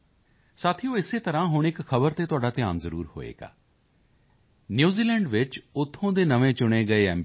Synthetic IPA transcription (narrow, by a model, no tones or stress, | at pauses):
saːt̪ʰiõːɪseːt̪əɾãːɦʊɳ̃ɪkxʰəbəɾt̪eːt̪ʊaːɖaːt̪ɪjaːnzəɾṵːɾho̰ːḛːɡa̰ː | njuːziːlɛːɳɖʋɪt͡ʃʊt̪ʰːõːd̪eːnəʋẽːt͡ʃʊɽ̃eːɡəeːɛ̰ːm